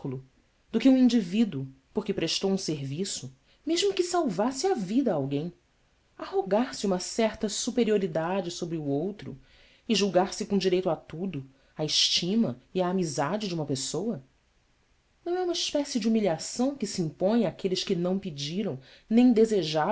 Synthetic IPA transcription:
ulʊ | d̪ʊkɪũĩnd͡ʒivid̪ʊ | poɾkɪpɾeʃt̪owũseɾvisʊ | meʒmʊkɪsawvasɪavid̪ɐːawɡẽj̃ | ahoɡaɾsɪũmɐsɛχt̪ɐsupeɾioɾid̪ad͡ʒɪsobɾɪuowt̪ɾʊ̰ | ɪʒuwɡaɾsɪkõd͡ʒiɾejt̪at̪ud̪ʊ | aɪʃt͡ʃĩmɐiaːmizad͡ʒɪd͡ʒɪũmɐpesowɐ | nɐ̃w̃ɛũmɐɪʃpɛsɪd͡ʒɪumiliasɐ̃w̃kɪsiĩmpõj̃akelɪʃkɪnɐ̃w̃pid͡ʒiɾɐ̃w̃nẽj̃d̪ezeʒa

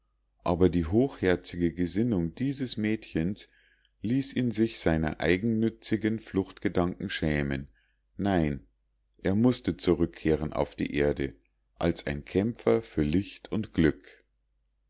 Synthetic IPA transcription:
ʔaːbɐdiːɦoːxhɛɐt͡sɪɡəɡəzɪnʊŋd̥iːzəsmɛːtçəns | liːsiːnzɪçz̥aɪnɐ̰ʔa̰ɪɡŋ̩nʏt͡sɪɡənflʊxtɡ̥ədaŋkŋ̩ʃɛːmənː | aɪn | ʔeːɐmʊstət͡suʁʏkʰːeːʁənʔa̰ʊfd̥ḭːʔeːɐdə | ʔalsaɪnkʰɛmfɐfyːɐlɪçtʰʊntɡ̥lʏk

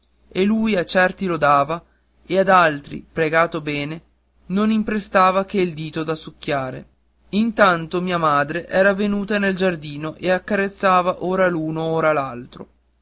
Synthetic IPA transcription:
eluːjat͡ʃɛrt̪ilod̪aːva | ead̪alt̪ɾḭpɾeɡaːt̪obɛːne | nonimpɾest̪aːvak̟eild̪iːt̪od̪asukːjaːɾḛ | int̪ant̪omiːamaːd̪ɾeʔɛːɾavenuːt̪aneld͡ʒard̪iːnoʔeakːaret̪sːaːvaʔoːɾaluːnooːɾalalt̪ɾo̰

